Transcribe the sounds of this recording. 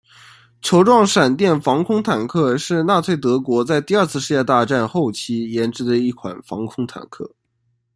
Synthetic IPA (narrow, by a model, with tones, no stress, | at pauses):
t͡ɕʰjo˧˥ʊʈ͡ʂwɑ˥˩ŋʂa˨˩nt̪jɛ˥˩nfɑ˧˥ŋkʰʊ˥ŋt̪ʰa˨˩nkʰɤ˥˧ʂɻ̩˥˧na˥˧t͡s̪ʰwe˥˩ɪt̪ɤ˧˥kwɔ˧˥t͡sa˥˧ɪt̪i˥˧ɐ˞˥˧t͡sʰɹ̩˥˧ʂɻ̩˥˧jɛ˥˧t̪a˥˧ʈ͡ʂa˥˧nxo˥˩ʊt͡ɕʰi˧˥jɛ˧˥nʈ͡ʂɻ̩˥d̪ə˧i˥˩kʰwa̰˨˩nfɑ̰˧˥ŋkʰʊ˥ŋt̪ʰa̰˨˩nkʰɤ̰˥˩